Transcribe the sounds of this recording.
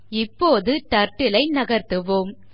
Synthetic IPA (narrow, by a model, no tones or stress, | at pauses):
ɪpːoːðɯʈ̪ɐɾʈːɪlɐɪnɐɣɐɾt̪ɯʋoːm